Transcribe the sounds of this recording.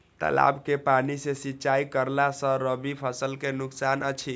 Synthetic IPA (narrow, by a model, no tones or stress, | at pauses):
t̪ə̰la̰bkepanisesitːt͡ʃaikəɾlasə̃ɾəbipʰəsəlkenuksanət͡ʃʰi